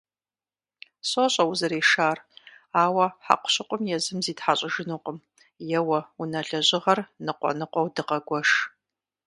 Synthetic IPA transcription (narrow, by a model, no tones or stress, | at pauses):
soɕʼɐwʊzɐɾeːʃaːraːwɐħa̰qʷʊ̥ɕɪqʷʼʊmjɛzɨmziːtħaɕʼɪʒɪnuːqʼəm | jɛwɐunɐɮɐʑɪʁɐrnɨqʷʼɔ̰nɨqʷʼɔwdɨqɐɡʷɔʂ